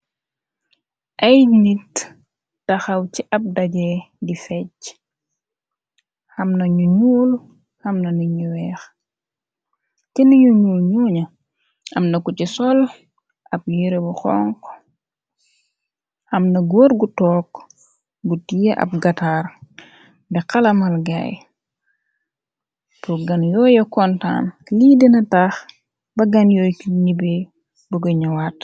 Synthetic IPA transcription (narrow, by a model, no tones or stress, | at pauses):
ʔɐjnitː | ɐxɐwciʔɐp̚daɟɛdifɛɟ̚ | xɐmnɐɲuɲuːl | xɐmnɐniɲuwɛːx | cɛnɐɲuɲuːlɲuːɲɐ | ɐmnɐkucisɔl | ʔɐp̚jiɾebuxɔŋk | ɐmnɐɡɔːɾɡutɔːk | ɡutijeʔɐ̰p̚ɡɐtaːr | bɛkɐlɐmɐlɡa̰j | poɡɐnjɔːjɐkɔnta̰ːnliːdinɐtaːx | bɐɡɐnjɔjiɲibe | buɡɐɲɐwat